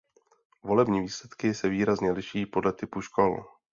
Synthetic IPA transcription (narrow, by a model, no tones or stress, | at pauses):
vo̞lɛbɲiːviːslɛt̪kɪsɛviːɾazɲɛlɪʃiːpo̞dlɛt̪ɪpuʃko̞l